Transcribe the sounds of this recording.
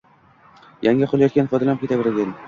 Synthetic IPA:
jaŋʲaqʰolˠajɒt̪kʲanfɒd̪alam̚kʰʲet̪ʰabeɾaɡʲan

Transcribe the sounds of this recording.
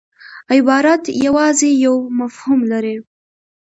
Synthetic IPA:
ɪbɑɾat̪jawɑzejawmafhumlaɾe

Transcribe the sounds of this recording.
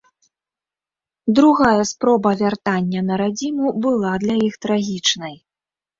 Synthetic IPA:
d̪ɾuɣajɐspɾɔbɐvʲart̪anʲːɐnɐɾad͡zʲimubɨlˠad̪lʲɐjixt̪ɾaɣʲit͡ʂnɐj

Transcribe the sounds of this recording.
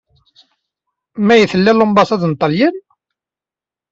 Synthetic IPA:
mæjəθəlːælombɑsˤɑðnt̪ˤːɑljən

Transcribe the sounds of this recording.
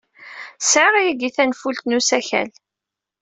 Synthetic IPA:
sʕaʁjiɡiθænfult̪nusæçæ̰l

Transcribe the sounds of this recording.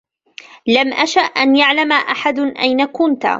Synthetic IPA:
lamʔaʃaʔːʔanjaʕlamaʔaħad̪ʔajnakʊnt̪

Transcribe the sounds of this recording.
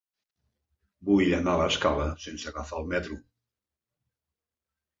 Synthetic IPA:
bujanalaskaləsensəɣafalˠmɛt̪ɾu

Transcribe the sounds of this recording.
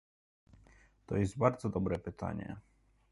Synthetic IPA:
t̪ɔjɛzd̪̚baɾd̪zɔd̪ɔbɾɛpɘt̪ʰa̰ɲɛ̰

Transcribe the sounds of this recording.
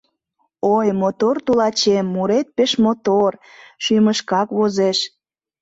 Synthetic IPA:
ojmot̪ort̪ulɑt͡ɕemːuɾet̪̚peʃmot̪orʃyməʃkɑkβozeʃ

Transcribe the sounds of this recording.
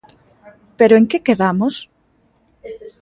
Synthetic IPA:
peɾoeŋkekeðamos

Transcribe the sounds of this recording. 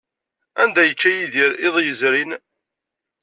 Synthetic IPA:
ænd̪æjəkːæjiðiɾɪðˤjəzɾin

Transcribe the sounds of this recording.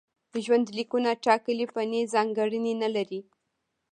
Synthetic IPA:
d̪əʒwand̪likunaʈɑkəlipanezɑŋɡaɽəninalaɾi

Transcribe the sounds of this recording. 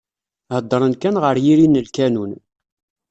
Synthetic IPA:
həd̪ˤːəɾˤənkænʁəɾjiɾinːəlkænun

